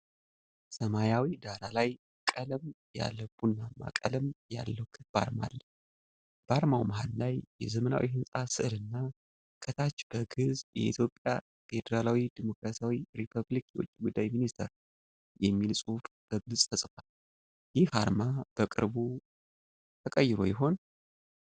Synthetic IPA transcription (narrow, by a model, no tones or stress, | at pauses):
səmajawid̪aɾalaj | kʼələm | ja̰lːəbːunːama̰kʼə̰ləmja̰lːəwkʰɨt̪b̥a̰ɾma̰lːə | b̥aɾmawmaɦallajjɛzəməna̰wihɨnsʼasɨʔɨlɨnːa | kʼʰət̪ʰat͡ʃːb̥əɡɨzjɛ̰it̪ʰjo̞pʼja̰ | fe̞d̪əɾalawid̪imo̞kɾasijawiɾipʰəβlikwot͡ʃʼːiɡud̪ːajminist̪ʰəɾ | jɛmːilsʼufb̥əɡɨsʼt̪ʰəsʼfal | jɪhaɾmab̥əkʼɨ̰ɾbu | t̪ʰəkʼəjːɪɾo̞̰jɪɦo̞n